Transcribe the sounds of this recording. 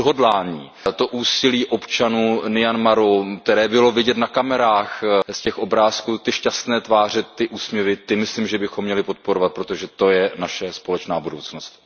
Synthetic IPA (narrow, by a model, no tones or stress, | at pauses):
ɦodlaːɲiː | t̪o̞ʔuːsɪliːʔo̞pt͡ʃanuːnɪjanmaɾok̚t̪ɛɾɛːbɪlo̞vɪɟɛt̪nakamɛɾaːxscɛxʔo̞bɾaːskuːt̪ɪʃcast̪nɛːt̪vaːr̝ɛt̪ːɪʔuːsmɲɛvɪt̪ɪmɪsliːmʒɛbɪxomːɲɛlɪpo̞t̪̚po̞ɾovat̪̚pɾot̪o̞ʒɛt̪o̞jɛnaʃɛspo̞lɛt͡ʃnaːbudowt͡sno̞st̪